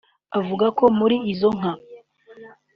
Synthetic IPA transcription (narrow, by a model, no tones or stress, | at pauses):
avuɡako̞muɾiːzo̞ŋ̥a